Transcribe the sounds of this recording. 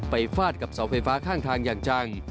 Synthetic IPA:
pa˧jfaː˥˩t̪̚ka˨˩p̚sa˩˦wfa˧jfaː˦˥kʰaː˥˩ŋt̪ʰaː˧ŋjaː˨˩ŋt͡ɕaː˧ŋ

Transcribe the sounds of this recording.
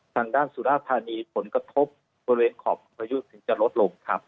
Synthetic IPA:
t̪ʰaː˧ŋdaː˥˩nsuː˨˩˦laː˥˩pʰːaː˧niː˧pʰo˩˦nkɾa˧t̪ʰo˦˥p̚ | boː˧ɾi˧weː˧nkʰɔː˩˦p̚o˧pʰa˧ju˦˥sɯ˧˩ŋt͡ɕa˨lo˦˥t̪̚lo˧ŋkʰɾa˦˥p̚

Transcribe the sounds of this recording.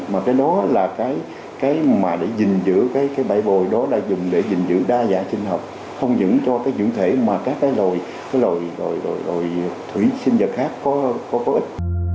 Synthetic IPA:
maː˨˩kaː˨˦jɗɔ˨˦laː˨˩kaː˨˦j | kaː˨˦jmaː˨˩ɗe˧˩zï˨˩ŋ̟zɨ̰˧˥kaː˨˦jkaː˨˦jɓa̰˧˩jɓo˨˩jɗɔ˨˦ɗa̰ː˧˥zʊ˨˩ŋ͡mɗe˧˩zi˨˩ŋ̟zɨ̰˧˥ɗaː˧za̰ː˧˩t͡ɕi˧ŋɦə˨˩wk͡p̚ | xə˧wŋ͡mzɨ̰˧˥ŋt͡ɕɔ˧kaː˨˦jt͡ɕwḭ˧˩əŋt̪ʰwe˧˩maː˨˩kaː˦˥kːaː˨˦jlo˨˩j | kaː˨˦jlo˨˩jzo˨˩jlo˨˩jlo˨˩jt̪ʰwḭ˧˩˦sï˧nzə˨˩t̚xaː˦˥kːɔ˨˦kɔ˨˦kɔ˨˦ʔï˦˥t̟̚

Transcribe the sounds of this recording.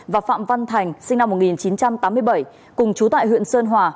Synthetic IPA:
vaː˨˩fa̰ː˧˨mva˧nt̪ʰa˨˩jŋ̟sï˧ŋ̟na˧mːo˨˩t̚ŋi˨˩nt͡ɕi˨˦nt͡ɕa˧mt̪aː˨˦mːɨ˧əjɓə˧˩j | kʊ˨˩ŋ͡mt͡ɕu˨˦t̪a̰ː˧˨jhw̰ənsəː˧nɦwaː˨˩

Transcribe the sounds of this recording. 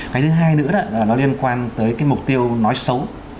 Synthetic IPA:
kaː˨˦jt̪ʰɨ˨˦ɦaː˧jnɨ̰˧˥əɗa̰ː˧˨laː˨˩nɔ˨˦li˧ənkwaː˧nt̪əː˨˦jkaː˨˦jmʊ˨˩k͡p̚t̪i˧əwnɔ˨˦jsə˨˦w

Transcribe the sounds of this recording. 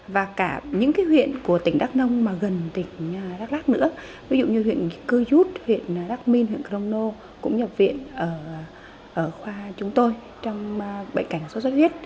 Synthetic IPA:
vaː˨˩kaː˧˩ɲɨ̰˧˥ŋkaː˨˦jɦwḭ˧˨ənku˧˩ət̪ï˩ŋ̟ɗaː˦˥k̚nə˧wŋ͡mmaː˨˩ɣə˨˩nt̪ï˧˩ŋ̟ː˨˩ɗaː˦˥k̚laː˦˥k̚nɨ̰˧˥ə | vi˨˦zṵ˧˨ɲɨ˧wḭ˧˨ənkɨ˧zu˦˥t̚hwḭ˧˨ən˨˩ɗaː˦˥k̚mi˧nhwḭ˧˨ənkə˧wŋ͡mno˧ | kʊ̰˧˥ŋ͡mɲə˨˩p̚vḭ˧˨ənʔəː˧˩ | ʔəː˧˩xwaː˧t͡ɕʊ˨˦ŋ͡mt̪o˧j | t͡ɕɔ˧wŋ͡mɓə̰˧˨ŋka˧˩jŋso˨˦swə˦˥t̚hwi˦˥ət̚

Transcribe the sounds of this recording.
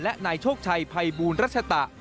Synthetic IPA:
lɛ˦˥ʔnaː˧jt͡ɕʰoː˥˩k̚t͡ɕʰa˧jpʰa˧jbuː˧nɾa˦˥t̪̚t͡ɕʰa˧t̪a˨˩ʔ

